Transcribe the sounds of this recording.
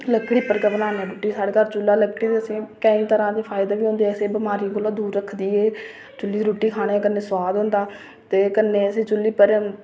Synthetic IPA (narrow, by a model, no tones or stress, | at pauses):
ləkːɽiːpəɾɡaːbənãːnaːɾuːʈiːsaːɽeːkəɾt͡ʃʊlːaːləkɽiːt̪eːəsĩːkəĩːt̪əɾãːd̪eːpʰaːɪd̪aːʋiːɦõːnd̪eːɛseːbəmaːɾĩːkolõːd̪uːɾɾəkʰd̪iːeː | t͡ʃʊliːɾuːʈiːkʰaːɽ̃eːkənːeːswaːd̪ɦʊ̃nd̪aː | t̪eːkənːẽːəsĩːt͡ʃʊlːiːpəɾ